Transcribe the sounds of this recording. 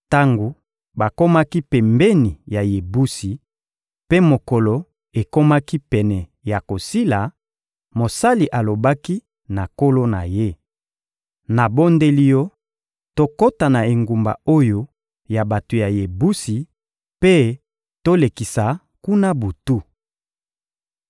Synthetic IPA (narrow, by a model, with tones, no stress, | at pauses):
ta˦ŋɡo˨ | ba˨ko˦ma˦ki˦pɛ˨mbe˦ni˨ja˨je˨bu˦si˨ | pe˦mo˨ko˨lo˨ | e˨ko˦ma˦ki˦pɛ˨nɛ˨ja˨ko˨si˦la˨ | mo˨sa˦li˨ʔa˨lo˨ba˦ki˦ | na˨ko˦lo˦na̰˨je˦ | na˨bo˦nde˦li˦jɔ˦ | to˦ko˦ta˨na˨e˨ŋɡu˨mba̰˨o˦jo˦ | ja˨ba˨to˨ja˨je˨bu˦si˨ | pe˦ | to˦le˨ki˨sa˨ | ku˦na˦bu˨tu˦